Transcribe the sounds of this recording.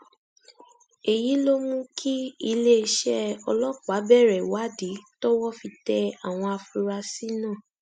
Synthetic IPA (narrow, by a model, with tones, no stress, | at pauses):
e˨ji˨˦lo˦mũ˦kʰi˦i˧le˦i˧ʃɛ˦ɔ˧lɔ˦k͡pa˨˦bɛ˦˨ɾɛ˨wa˨˦di˨˦tɔ˦wɔ˦fi˧tɛ˧a˨w̃ɔ̃˧a˧fu˧ɾa˧si˦nã˦˨